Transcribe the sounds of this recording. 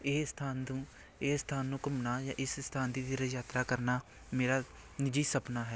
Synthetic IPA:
eːst̪ʰaːnd̪ũː | eːst̪ʰaːnːũːkʊmnaːjãːʔɪsst̪ʰãːnd̪iːd̪iːɾəd͡ʒaːt̪ɾaːkəɾnaː | meːɾaː | nɪd͡ʒiːsəpnaːɦɛː

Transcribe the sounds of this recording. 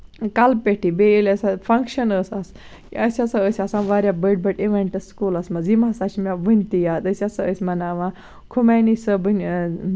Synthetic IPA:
kalpeʈʰibeilɐsafʰɐŋkʃənəsas | kiəsʲɐsaəsʲasãnʋaɾjabəʈ̚bɐʈiʋeɳʈɐsskulasmɐzimasat͡ʃimʲaʋənʲt̪ijaːt̪əsʲasaəsʲmɐnaʋã | kʰumanisɐbən

